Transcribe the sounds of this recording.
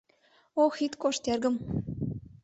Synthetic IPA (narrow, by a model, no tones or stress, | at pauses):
oxit̪koʃt̪erɡə̆m